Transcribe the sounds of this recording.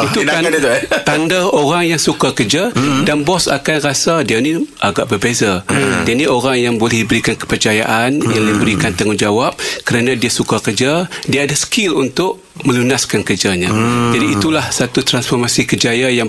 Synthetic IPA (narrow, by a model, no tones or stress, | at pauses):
it̪uaadt̪t̪andaoɾaŋjaŋsukakərd͡ʒadanbɔsa̰kanrasadianiʔaɡaʔbərbezadianiʔoɾaŋjaŋbolɛhdibəɾikankə̥pərt͡ʃajaʔanjaŋdibəɾikant̪aŋʊnd͡ʒawap̚kəɾanãdiasukakəd͡ʒadiaːdasə̥kɪlunt̪ʊʔ | mə̃lunaskankərd͡ʒaɲãd͡ʒadiːt̪ulahsat̪ut̪ɾansfɔrmasikəd͡ʒajajaŋ